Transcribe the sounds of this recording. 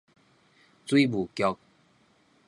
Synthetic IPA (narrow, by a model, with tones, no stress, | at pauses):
t͡swi˦bu˨˩kjɔ˧k̚